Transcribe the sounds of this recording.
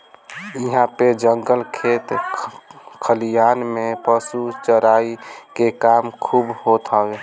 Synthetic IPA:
iɦãped͡ʒəŋɡəlkʰet̪ | kʰəlijanmẽpəsut͡ʃəɾaikekamkʰubɦot̪ɦɔwe

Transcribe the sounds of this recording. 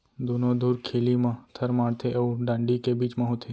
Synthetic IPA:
d̪ʱunod̪ʱuːɾkʰeːlimãːt̪ʰəɾmãːɽt̪ʰeʔeʋũɖãːɳɖikebiːt͡ʃmãɦut̪ʰe

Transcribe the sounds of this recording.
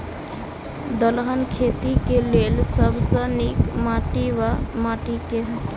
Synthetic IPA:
d̪əlɦənkʰet̪ikelelsəbʱsənikmaʈiʋamaʈikeɦək

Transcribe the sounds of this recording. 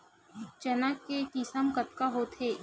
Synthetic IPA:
t͡ʃɐnəkːekɪsəmkət̪kaɦot̪ʰeː

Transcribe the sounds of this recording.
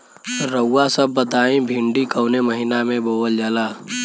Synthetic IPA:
ɾəwːasəbːət̪aːĩbʱɪ̃ɳɖikəʊneməɦɪnamẽboːwəld͡ʒaːlaː

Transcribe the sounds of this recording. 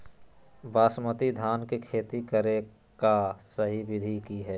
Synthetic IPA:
baːsmət̪id̪ʱaːnkikʰeːt̪ikəɾe | kasəɦiʋɪd̪ʱikiɦɛː

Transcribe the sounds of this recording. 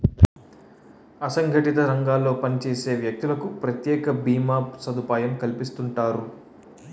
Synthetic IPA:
ɐsɐŋɡʱɐʈit̪ɐɾɐŋɡaːlːo̞ːpɐnit͡ʃe̞ːse̞ːʋjɐk̚t̪ulɐkupɾɐt̪jɛːkɐbiːmaːsɐd̪upaːjɐmkɐlipist̪uɳʈaːɾu

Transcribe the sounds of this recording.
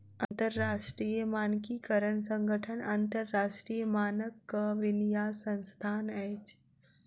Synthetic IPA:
ɐnt̪əɾːaʂʈɾiːjəmaːnkikəɾəɳsə̃ŋɡʱəʈʰənant̪əɾːaːʂʈɾijəmaːnəkːəʋɪnijaːsə̃nst̪ʰaːnɛjt͡ʃ

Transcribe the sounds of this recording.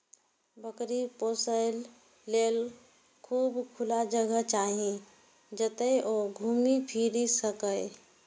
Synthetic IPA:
bəkɾipoːsəɪlː | eːl | kʰuːbkʰʊlad͡ʒəɡət͡ʃaːɦĩ | d͡ʒət̪əʔoɡʱuːmipʰiːɾisəkəɪ

